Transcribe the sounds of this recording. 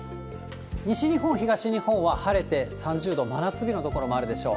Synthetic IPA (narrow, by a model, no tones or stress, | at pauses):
ɲ̟iɕiɲ̟iɦõɰ̃çiɡaɕiɲ̟ihõɰ̃βahaɾe̞t̪e̞sãɲ̟d͡ʑɨːd̪o̞manat͡sɨbʲino̞t̪o̞ko̞ɾo̞mo̞aɾɯ̟d̪e̞ɕo̞̰ː